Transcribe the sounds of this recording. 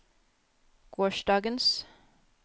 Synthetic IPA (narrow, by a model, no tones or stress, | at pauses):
ɡ̥oːʃdɑːɡəns